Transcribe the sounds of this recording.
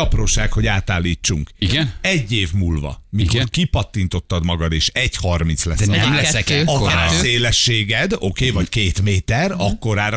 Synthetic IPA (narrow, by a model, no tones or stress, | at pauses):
ɒproːʃaːkho̞ɟaːt̪aːlːiːt͡ʃːuŋkiɡɛnɛɟːeːvmuːlvɒ̰mikorkipɒt̪ːint̪o̞t̪ːɒd̪mɒɡɒd̪eːʃɛɟhɒrminslɛ̰sd̪ɛmɛɛɒkɛɾɛseːlɛʃːeːɡɛd̪o̞keːvɒckeːt̪meːt̪ɛrɒkːo̞ɾaːɾ